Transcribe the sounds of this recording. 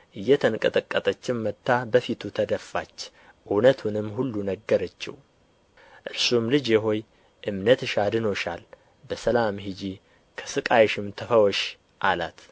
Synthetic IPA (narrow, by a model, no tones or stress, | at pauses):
ʔɨjːɛt̪ʰənkʼət̪ʼəkʼːət̪ʼət͡ʃːɪmːət̪ʰːabəfit̪ʰut̪ʰəd̪əfːa̰t͡ʃː | ʔunət̪ʰunɨmːhulːunəɡːəɾət͡ʃːɪ̰w | ʔɨɾsumlɨd͡ʒjɛɦo̞j | ʔɨmnət̪ɨʃad̪ɨno̞ʃal | bəsəlamhid͡ʒi | kʰə̥sɨkʼajɛʃɪmt̪ʰəfəwɔʃ | ʔala̰t̪